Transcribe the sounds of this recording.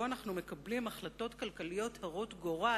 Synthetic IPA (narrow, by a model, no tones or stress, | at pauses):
oanaχnume̞kɐblimaχlato̞tkalkalijo̞thaʁo̞tɡo̞ʁa